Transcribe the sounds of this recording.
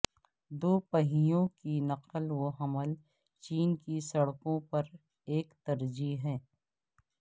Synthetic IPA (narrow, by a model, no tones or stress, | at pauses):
d̪oːpəɦijõkinɐqəlwoɦɐməl | t͡ʃiːnkisɐɽkõpɐɾ | eːkt̪ɐɾd͡ʒiɦɛ̃ː